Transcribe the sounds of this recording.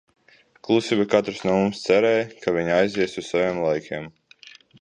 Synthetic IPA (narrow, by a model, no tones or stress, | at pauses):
klˠusʲivikat̪ɾsnɔmumst̪sɛɾɛːjkavʲiɲajziɛsuzsavʲeːmlˠajkʲʰeɛm